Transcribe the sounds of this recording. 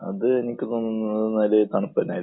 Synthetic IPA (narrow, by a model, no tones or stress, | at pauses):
ɐ̰ðɨe̞nikʲːɨt̪oːnːunːɐðɨnɐlet̪ɐɳupːɐnaːji